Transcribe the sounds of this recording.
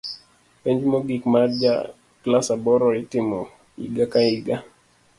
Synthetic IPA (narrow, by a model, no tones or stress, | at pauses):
pɛɲd͡ʒmoɡikmard͡ʒa̰ | klasabɔɾɔɪtɪmɔ | ḭɡakaiɡa